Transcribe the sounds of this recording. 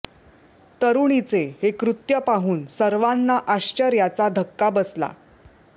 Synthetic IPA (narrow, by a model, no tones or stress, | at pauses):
t̪əɾuɳit͡sehekɾut̪jəpaɦuːnsəɾʋanːaʔaɕt͡ɕəɾjat͡sad̪ʱəkːabəsla̰